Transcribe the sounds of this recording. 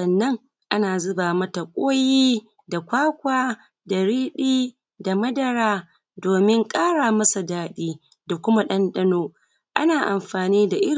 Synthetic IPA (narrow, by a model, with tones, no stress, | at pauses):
ɐ˨nːɐ˦ŋ | ʔa˦naː˨zʊ˦baː˨mɐ˦ta˨kʷʼoː˦jiː˦ | da˨kʷaː˦kʷaː˦ | da˨ɽiː˦ɗiː˦ | da˨mɐ˦dɐ˨ɽaː˦ | doː˨mɪ˦ŋkʼaː˦ɽaː˨mɐ˦sa˨daː˦ɗiː˦ | da˨kʷʊ˦ma˦ɗɐ˦nɗɐ˦noː˦ | ʔa˦naː˨ʔa̰˨mɸaː˨niː˦da˨ʔɪ˦ɾ